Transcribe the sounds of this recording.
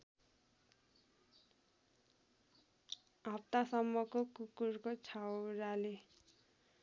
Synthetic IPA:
ɦʌp̚t̪asʌmːʌkokukurkot͡sʰawrale

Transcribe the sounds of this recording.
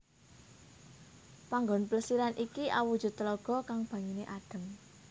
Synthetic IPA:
paŋɡɔnpləsiɾanʔikiʔa̰wud̥ʒ̥ṳt̪ːəloɡ̥ɔ̤kaŋb̥ä̤ŋineʔaɖ̥ə̤m

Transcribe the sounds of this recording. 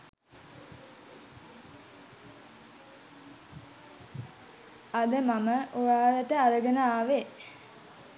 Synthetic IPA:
ad̪əmaməʔojaːʋæt̪əaɾəɡənaaːʋe

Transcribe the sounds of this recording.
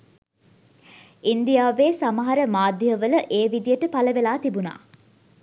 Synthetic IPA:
ind̪ijaːʋeːsamɐɦɐɾəmaːd̪jəʋələʔeːʋid̪ijəʈəpaləʋelaːt̪ibuna̰ː

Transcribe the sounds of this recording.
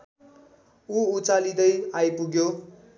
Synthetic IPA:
uut͡salid̪ʌjajpuɡjo

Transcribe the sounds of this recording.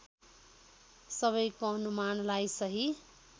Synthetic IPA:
sʌβʌjkoʌnumanlajsʌɦi

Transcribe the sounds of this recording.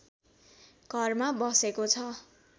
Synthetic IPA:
ɡ̥ʱʌrmabʌsekot͡sʰʌ

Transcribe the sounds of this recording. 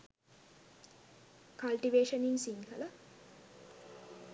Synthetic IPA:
kɐlʈiʋeːʃɐninsiŋkɐlɐ

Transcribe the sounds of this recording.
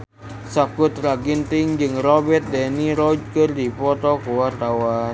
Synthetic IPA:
sakʊt̪̚raɡint̪ɪŋd͡ʒɨŋrɔbɛt̪̚dɛniɾɔd͡ʒkərdipɔt̪ɔkuwart̪awan

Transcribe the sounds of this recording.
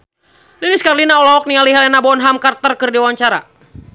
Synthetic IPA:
liliskarlinaɔlɔɔk̚nialiɦɛlɛnabɔnɦamkart̪ərkɨrdiwaɲt͡ʃaɾa

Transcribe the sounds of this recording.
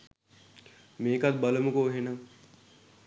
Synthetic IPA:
meːkɐt̪̚bɐləmukoɦena

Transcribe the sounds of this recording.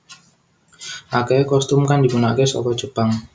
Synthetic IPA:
ʔakekɔst̪ʊmkandipunakesɔ̰kɔd̥ʒ̥əpaŋ

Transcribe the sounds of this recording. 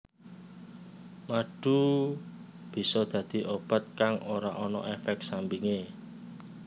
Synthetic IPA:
maɖ̥ṳ | b̥i̤sɔd̪̥ä̤d̪̥i̤ʔob̥ə̤t̪̚kaŋoɾa̰ʔɔnɔ̰ʔefɛk̚sambiŋe

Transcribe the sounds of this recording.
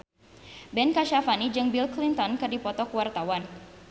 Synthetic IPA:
bɛnkaʃafanid͡ʒɨŋbilklint̪ɔnkɨrdipɔt̪ɔkəwart̪awan

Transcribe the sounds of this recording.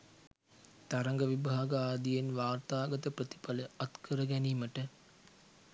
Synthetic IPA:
t̪aɾaŋɡəʋibaɦɡəaːd̪ijenʋaːrt̪aːɡɐt̪əpɾət̪i̥paləat̪kʰəɾəɡæniːməʈə

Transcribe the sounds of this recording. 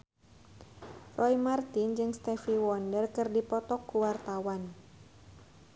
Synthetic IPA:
rʔɔimart̪ind͡ʒɨŋst̪ɛfiwɔndərkɨrdipɔt̪ɔkːuwart̪awan

